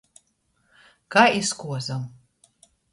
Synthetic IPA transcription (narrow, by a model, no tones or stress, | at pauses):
kaːiskuɔzɐm